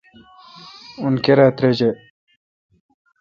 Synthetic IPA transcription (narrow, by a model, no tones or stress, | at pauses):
unkeɾaːt̪ɾed͡ʑe